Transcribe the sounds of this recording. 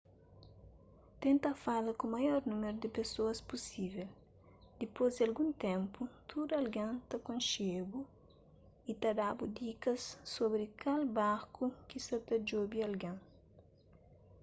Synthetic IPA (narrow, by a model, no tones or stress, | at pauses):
t̪ẽnt̪ɐfalɐkũmɐjɔɾnũmeɾud̪ɪpesoɐspusivel | d̪̥ipozd̪ɪɐlɡũnt̪ɛ̃mput̪ʰud̪uɐlɡɐ̃nt̪ɐkõnʃebu | it̪ɐd̪abud̪ikɐsːobɾikalbaɾkukisɐt̪ɐd͡ʒobiɐlɡɐ̃ŋ